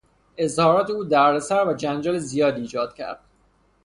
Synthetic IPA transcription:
e̞zhɒːɾɒːt̪ʰeuːd̪æɾd̪esæɾvæd͡ʒænd͡ʒɒːlezijɒːd̪iːd͡ʒɒːd̪̥cʰæ̰ɾd̪̥̚

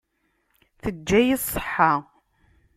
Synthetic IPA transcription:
θəd͡ʒːæjisˤːə̥ħːa

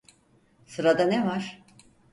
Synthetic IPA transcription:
sɯɾad̪anevaɾ̥

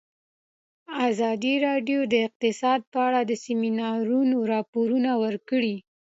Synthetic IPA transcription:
azɑd̪iɾɑɖjod̪əɪq̚t̪ɪsɑd̪̚pəaɽad̪əseminɑɾunoɾɑpoɾunawəɾkəɽi

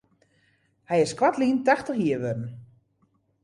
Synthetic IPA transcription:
hɛjɪskʋatliːntaxtəxiːəʋødn̩

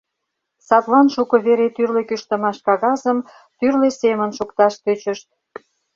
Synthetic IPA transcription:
sɑt̪lɑnʃukə̆βeɾet̪yrlekyʃt̪ə̆mɑʃkɑɣɑzəm | t̪yrlesemənʃukt̪ɑʃt̪øt͡ɕəʃt̪̚

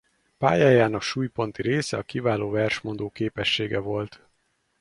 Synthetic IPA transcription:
paːjaːjaːnɒʃuːjpo̞n̪t̪iɾeːsɛɒkivaːloːvɛrʃmo̞nd̪oːkeːpɛʃːeːɡɛvo̞lt̪

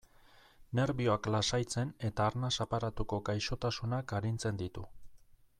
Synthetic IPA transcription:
ne̞ɾβio̞aklasajt͡se̞ne̞t̪aːɾnasapaɾat̪uko̞ɡajʃo̞t̪asunakaɾint͡se̞nd̪it̪u

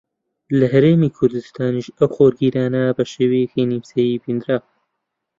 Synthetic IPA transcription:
lɐɦɐɾeːmiːkʰʊɾd̪ust̪aːniʃɐwxoːɾɡiːɾaːnɐbɐʃeːwejekinimsejibind̪ɾaːw

